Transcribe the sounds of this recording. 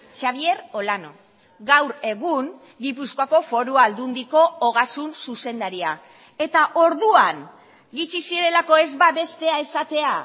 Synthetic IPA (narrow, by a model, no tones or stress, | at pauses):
ʃaβ̞ie̞ɾo̞lano̞̰ | ɡawɾe̞ɣuŋ | ɡipuskoako̞fo̞ɾuald̪und̪iko̞ːɣ̞asunsuse̞nd̪aɾia | e̞t̪aʔo̞ɾðuaŋ | ɡit͡ʃisiɾe̞lako̞e̞zbaβe̞st̪e̞ae̞sat̪e̞a